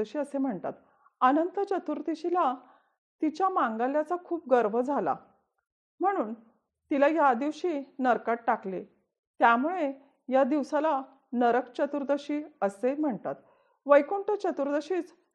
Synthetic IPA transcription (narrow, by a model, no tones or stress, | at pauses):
əɕiːəsem̤əɳt̪a̰t̪ | ənənt̪ət͡ɕət̪uɾt̪iɕila | t̪it͡ɕjamãŋɡaljat͡sakʰuːp̚ɡəɾʋəd͡zʱala̰ | m̤əɽ̃uːn | t̪ilajad̪iʋɕiːnəɾkaʈ̚ʈːaklḛ | t̪jamuɭe | jad̪iʋsala | nəɾəkt͡ɕət̪uɾd̪əɕiːəsem̤əɳt̪a̰t̪ | ʋəjkoɳʈət͡ɕət̪uɾd̪əɕiːt͡s